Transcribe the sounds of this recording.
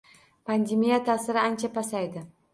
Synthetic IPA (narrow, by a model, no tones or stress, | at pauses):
pʰand̪emijat̪ʰasɪɾɪant͡ʃʰapʰasajd̪ɪ